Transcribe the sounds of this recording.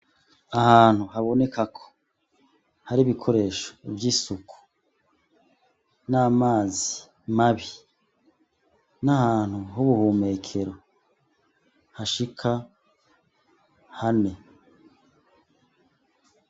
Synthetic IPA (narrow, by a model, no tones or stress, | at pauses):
ahaːn̥huhaβo̞ne̞kʰakʰo̥ | haɾiβikʰo̞ɾe̞ːʃo̥ibjiːsuku̥ | naːmaːzi̥ | maβi | nahaːn̥huɦuβuhuːme̞ːkʰe̞ɾo | haʃikʰa | hane̞